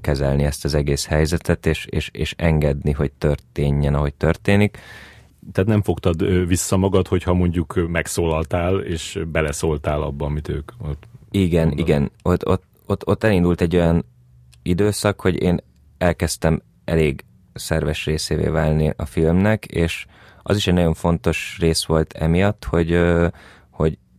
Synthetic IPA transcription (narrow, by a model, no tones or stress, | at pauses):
kɛzɛlniɛst̪ɒzɛɡeːshɛjzɛt̪ɛt̪eːʃeːʃeːʃɛŋɡɛd̪niɦo̞c̚t̪ørt̪eːɲːɛnɒɦo̞c̚t̪ø̞rt̪eːnik | t̪aːt̪nɛɱfo̞kt̪ɒd̪visːɒmɒɡɒt̪ho̞chɒmo̞ɲɟukmɛksoːlɒlt̪aːleːʃbɛlɛsoːlt̪aːlɒ̰bːɒmit̪øːkot̪iɡɛnʔḭɡɛnot̪ːot̪ | ot̪ːot̪ːɛlind̪ult̪ɛɟːo̞jɒn | id̪øːsɒkho̞ɟḛːn | ɛlkɛst̪ɛm | ʔɛ̰leːɡ | sɛrvɛʃreːseːvḛːvaːlniʔɒfilmnɛkeːʃ | ʔɒ̰ziʃɛɟnɒjo̞ɱfo̞nt̪o̞ʃreːsʋo̞lt̪ʰɛmijɒt̪ːho̞ɟ | ho̞ɟ